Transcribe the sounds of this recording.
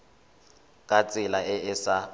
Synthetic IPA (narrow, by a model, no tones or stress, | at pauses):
kʼat͡sʼɪlaɪʔɪsa